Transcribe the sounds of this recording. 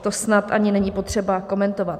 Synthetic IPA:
t̪o̞snat̪ʔaɲɪnɛɲipo̞t̪r̝̥ɛbako̞mɛnt̪o̞vat̪

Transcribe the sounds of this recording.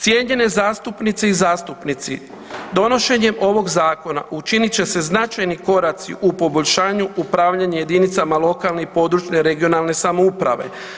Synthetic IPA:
t̪je̞ːɲe̞ne̞zaːst̪upnit̪seizaːst̪upnit̪sḭ | d̪o̞no̞ʃe̞ɲe̞mo̞ʋo̞ɡzaːko̞na̰ʔut͡ʃinit͡ɕe̞se̞znat͡ʃajniko̞ɾat̪sḭʔupo̞bo̞ʎʲʃaːɲuupɾaːʋʎaɲeje̞d̪init̪samalˠo̞kalnepo̞ːd̪ɾut͡ʃne̞ɾe̞ɡio̞nalne̞samoupɾa̰ʋe̞̰

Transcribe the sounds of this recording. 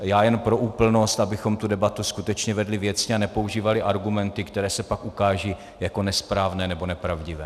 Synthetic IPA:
jaːjɛnpɾo̞ʔuːpl̩no̞st̪abɪxo̞mt̪udɛbat̪uskut̪ɛt͡ʃɲɛvɛdlɪvjɛt͡sɲɪanɛpouʒiːvalɪʔaɾɡumɛnt̪ɪkt̪ɛɾɛːsɛpakʔukaːʒiː | jako̞nɛspɾaːvnɛːnɛbo̞nɛpɾavɟɪvɛː

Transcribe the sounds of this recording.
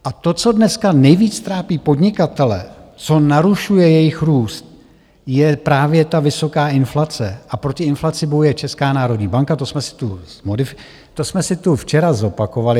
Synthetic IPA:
ʔat̪o̞t͡so̞dnɛskanɛjviːt͡st̪ɾaːpiːpo̞dɲɪkat̪ɛlɛ̰t͡so̞naɾuʃujɛjɛjɪxɾuːst̪̚ | jɛpɾaːvjɛt̪avɪso̞kaːʔɪnflat͡sɛʔapɾo̞cɪɪnflat͡sɪbojujɛt͡ʃɛskaːnaːɾo̞dɲiːbaŋkat̪o̞smɛsɪ̥t̪uzmodɪfɪ | t̪o̞smɛsɪt̪uft͡ʃɛɾazo̞pako̞valɪ

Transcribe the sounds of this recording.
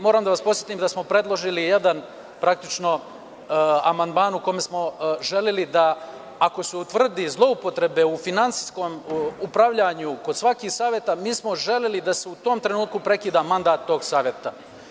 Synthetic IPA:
mo̞ːɾaːmd̪aʋaspo̞sjet̪iːmd̪asmo̞pɾe̞d̪lˠo̞ʒilije̞d̪an | pɾak̚t̪it͡ʃno̞ | amand̪maːnukome̞smo̞ʒe̞lelid̪aː | ko̞suut̪ʋr̩d̪izlˠo̞upo̞t̪ɾe̞be̞ufinantsi̥sko̞mupɾaʋʎaɲuko̞d̪sʋakiːxsaːʋjet̪amiːsmo̞ʒe̞lʲelid̪aseut̪o̞ːmt̪ɾe̞nuːt̪̚kupɾe̞kiːd̪aːmand̪aːt̪ːo̞ːɡsaːʋjet̪a

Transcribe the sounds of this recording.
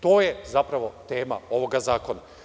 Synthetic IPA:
t̪o̞ːjezapɾaʋo̞t̪e̞ːma̰o̞ʋo̞ɡazaːko̞na

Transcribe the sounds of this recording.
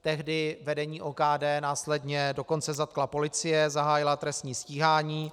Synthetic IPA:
t̪ɛɦdɪvɛdɛɲiːʔoːkaːdɛːnaːslɛdɲɛdo̞ko̞nt͡sɛzat̪̚klapo̞lɪt͡sɪjɛzaɦaːjɪlat̪ɾɛst̪ɲiːsciːɦaːɲiː

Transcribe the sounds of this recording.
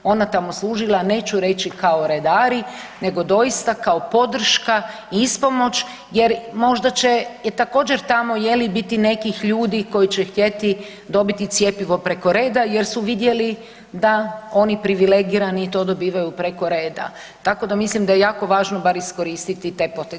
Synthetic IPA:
o̞nat̪amo̞slˠuːʒilˠane̞ːt͡ʃuɾe̞t͡ɕikao̞ɾe̞d̪aːɾine̞ɡo̞d̪o̞jist̪akao̞po̞d̪r̩ʃka | ispo̞mo̞t͡ʃ | jeɾmo̞ʒd̪at͡ɕe̞t̪ako̞ːd͡ʑe̞ɾt̪amo̞je̞libit̪ine̞kixʎuːd̪iko̞jit͡ɕext̪je̞t̪i | d̪o̞bit̪it̪sje̞piʋo̞pɾe̞ko̞ɾe̞ːd̪aje̞ɾsuʋid̪je̞li | d̪ao̞nipɾiʋile̞ɡiɾaniːt̪o̞ːd̪o̞biːʋajupɾe̞ko̞ɾeːd̪a̰ | t̪ako̞d̪amislimd̪ajejaːko̞ʋaːʒnobaɾisko̞ɾiːst̪it̪it̪epo̞t̪e

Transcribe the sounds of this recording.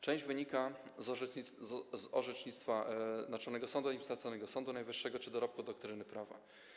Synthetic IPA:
t͡ʂɛ̃w̃ʑd͡ʑvɘɲikaz | zɔʐɛt͡ʂɲit̪st̪fanat͡ʂɔnɛɡɔsɔnd̪uaɲʲipsaɾt̪sɔnɛɡɔsɔnd̪unajvɘʂːɛɡɔt͡ʂɘd̪ɔɾɔp̚kud̪ɔk̚t̪ɾɘnɘpɾava̰

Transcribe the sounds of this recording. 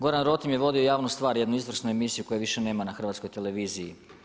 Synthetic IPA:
ɡo̞ɾanɾo̞t̪imje̞ʋo̞d̪io̞jaːʋnust̪ʋaːɾjed̪nuizʋr̩snue̞misijuko̞jeʋiʃe̞ne̞ːmanaxr̩ʋat̪skojt̪ele̞ʋiːziji

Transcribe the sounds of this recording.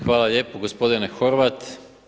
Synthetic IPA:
xʋaːlaʎje̞ːpoɡospo̞d̪inexo̞ɾʋat̪

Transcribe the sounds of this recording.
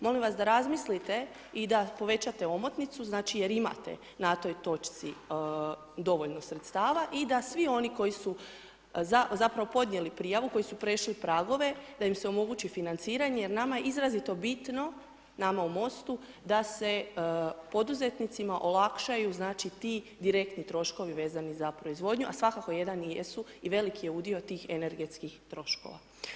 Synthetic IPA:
mo̞limʋasd̪aɾazmislit̪e̞ | id̪apo̞ʋe̞t͡ɕat̪e̞o̞mo̞t̪nit̪suznaːt͡ʃije̞ɾima̰t̪e̞̰ | nat̪o̞jt̪o̞t͡ʃt̪si | d̪o̞ʋo̞ʎno̞sɾet̪st̪aːʋaʔid̪asʋio̞niko̞jisu | zazapɾaʋo̞po̞d̪ɲje̞lipɾijaʋuko̞jisupɾeʃlipɾaːɡo̞ʋe̞d̪aimse̞o̞mo̞ɡut͡ʃifinant̪siːɾaɲe̞je̞ɾnamaje̞izɾazit̪o̞bit̪no̞ | namaumo̞st̪u | d̪ase̞po̞d̪uze̞t̪nit̪simaʔo̞lˠakʃajuznaːt͡ʃit̪iː | d̪iɾe̞k̚t̪nit̪ɾo̞ʃko̞ʋiʋe̞ːzanizapɾo̞izʋo̞d̪ɲuʔasʋakako̞je̞d̪anjesuiʋe̞likije̞uːd̪io̞t̪iːxe̞ne̞ɾɡe̞t̪skixt̪ɾo̞ʃko̞̰ʋa̰

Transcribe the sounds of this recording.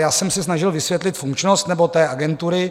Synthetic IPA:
jaːsɛmsɛsnaʒɪlvɪsvjɛt̪lɪt̪fuŋkt͡ʃnost̪nɛbo̞t̪ɛːʔaɡɛnt̪uɾɪ

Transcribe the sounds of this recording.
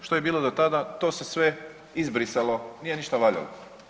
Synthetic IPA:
ʃt̪o̞jebiːlo̞d̪ot̪ad̪at̪oːse̞sʋe | izbɾiselo̞nije̞niʃt̪aʋaʎa̰lo̰

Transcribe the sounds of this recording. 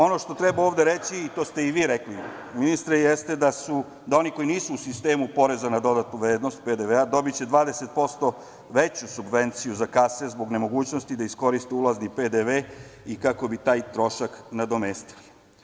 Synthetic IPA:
o̞no̞ʃt̪o̞t̪ɾebaoːʋd̪eɾet͡ɕiːt̪o̞ːst̪e̞iʋiːɾekli | minist̪ɾejest̪ed̪asu | d̪ao̞niko̞jiniːsuːsist̪e̞ːmupo̞ɾe̞zanad̪o̞d̪at̪nuʋɾeːd̪no̞st̪̚ped̪eʋead̪o̞bit͡ɕe̞d̪ʋaːd̪ese̞t̪̚po̞st̪o̞ | ʋe̞t͡ɕusubʋe̞nt̪sijuzakasezbo̞ɡne̞mo̞ɡuːt͡ɕnost̪id̪aisko̞ɾist̪eulˠazniped̪eʋe | ikako̞bit̪aːjt̪ɾo̞ʃaknad̪o̞mest̪i̥li

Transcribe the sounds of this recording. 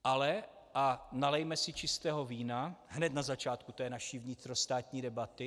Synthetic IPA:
ʔalɛ | ʔanalɛjmɛsɪt͡ʃɪst̪ɛːɦo̞viːnaɦnɛt̪nazat͡ʃaːt̪kut̪ɛːnaʃiːvɲɪt̪ɾo̞st̪aːt̪ɲiːdɛbat̪ɪ

